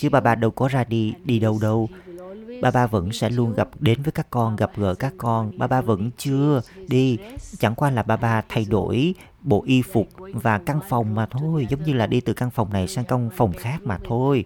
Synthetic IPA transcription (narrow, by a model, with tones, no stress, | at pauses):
t͡ɕɨ˨˦ɓaː˧ɓaː˧ɗə˧wkɔ˨˦zaː˧ɗi˧ɗi˧ɗə˧wɗə˧w | ɓaː˧ɓaː˧və̰˧˥nsɛ̰˧˥lu˧ənɣa˨˩p̚ɗe˨˦nvəː˨˦jkaː˦˥kːɔ˧nɣa˨˩p̚ɣə̰ː˧˩kaː˦˥kːɔ˧nɓaː˧ɓaː˧və̰˧˥nt͡ɕɨ˧əɗi˧t͡ɕa̰˧˩ŋkwaː˧laː˨˩ɓaː˧ɓaː˧t̪ʰa˧jɗo̰˧˥˩j | ɓo̰˧˩ʔi˧fʊ˨˩k͡p̚vaː˨˩ka˧nfa˨˩wŋ͡mmaː˨˩t̪ʰo˧jzə˨˦wŋ͡mɲɨ˧laː˨˩ɗi˧t̪ɨ˨˩ka˧nfa˨˩wŋ͡mna˨˩jsaː˧ŋkə˧wŋ͡mfa˨˩wŋ͡mxaː˦˥k̚maː˨˩t̪ʰo˧j